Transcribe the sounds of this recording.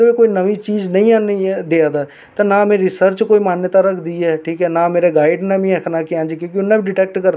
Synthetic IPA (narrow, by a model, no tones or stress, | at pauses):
əʋeːkoːinəʋit͡ʃiːd͡ʒnəĩːanid̪eaːd̪aː | t̪ãːnaːmẽːɾɪsəɾt͡ʃkoːimaːnjət̪aːɾəkʰd̪iːɦɛːʈʰiːkɦɛːnaːmeːɾeɡaːɪɖneːbĩəkʰnaːkɪãːd͡ʒkoːkɪʊnːãːbiɖɪʈɛːk̚ʈkəɾ